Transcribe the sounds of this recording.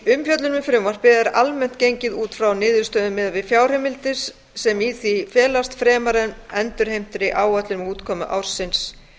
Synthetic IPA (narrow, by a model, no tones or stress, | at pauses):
ʏmfjœt̪lʏnʏfɾʏmvar̥pɪːðɛɾalmɛn̥t̪̚cejɲcɪðuːt̪fɾawnɪːðʏɾst̪œːðʏmːɛðavɪfjaːwr̥ɛmɪlt̪ɪsː | ɛmiθifɛːlast̪fɾɛːmaɾɛnɛnt̪ʏɾ̥hejm̥t̪ɾɪʔaːwœt̪lɪɾmuːt̪kʰɔːmʏ̰ʔa̰wɾ̥sɪns